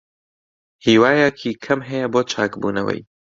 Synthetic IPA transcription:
hiːwaːjɛkʰiːkʰɐmɦɐjɛboːt͡ʃʰaːkbṵːnɐ̰wɐ̰j

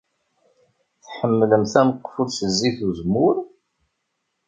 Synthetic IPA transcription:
θħəmːləmθæməqːfuðθəzːiθuzmʊɾ

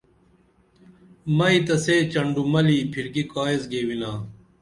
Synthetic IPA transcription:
mɐit̪ɐseːt͡ɕɐɳɖumɐliːpʰiɾkikaːezɡeːwinaː

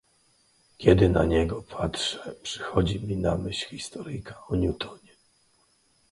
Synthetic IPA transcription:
kʲɛd̪ɘnaɲɛɡɔpʰatʂɛ̥pʂɘ̥xɔd͡ʑimʲinamɘɕxʲist̪ɔɾɘjkaɔɲjut̪ʰɔɲɛ

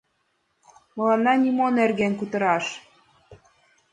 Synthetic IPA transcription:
mɤ̆lɑnːɑnʲimonerɣenkut̪ɤ̆ɾɑʃ

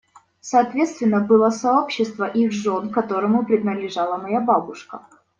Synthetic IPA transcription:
sɐːt̪vʲe̞t̪st̪vʲɪnːəbɨlˠəsɐopɕːɪst̪vəʔixʐo̞nkɐt̪o̞ɾəmʊpɾʲɪd̪nəlʲɪʐalˠəmɐjababʊʂkə

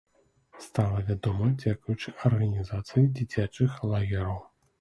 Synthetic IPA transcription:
st̪alˠɐvʲad̪ɔmɐd͡zʲakujut͡ʂɨʔɐrɣɐnʲizat̪sɨjid͡zʲit͡sʲat͡ʂɨxlˠaɣʲiɾɐw

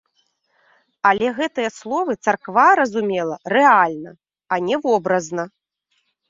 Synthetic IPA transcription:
ɐlʲɛɣɛt̪ɨjɐslˠɔvɨt̪sɐrkvaɾɐzumʲɛlˠɐrɛalʲnɐ | ɐnʲɛvɔbɾɐznɐ

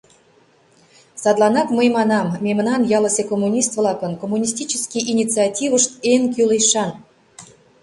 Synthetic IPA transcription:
sɑd̪lˠɑnɑkməjmɑnɑmːʲemənɑnjɑlˠəsʲekomːunʲist̪vlˠɑkə̆nkomːunʲis̬ʲtʲit͡ɕəskʲijʔinʲit͡sɨɑtʲiβəʃt̪enk̬ʲylejʃɑn

